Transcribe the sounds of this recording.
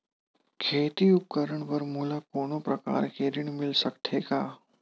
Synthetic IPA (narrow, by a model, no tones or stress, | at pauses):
kʰet̪iːup̚kəɾəɳʋəɾmulakoɽ̃opɾəka̰ɾkeɾiːɳmilsəkt̪ʰeka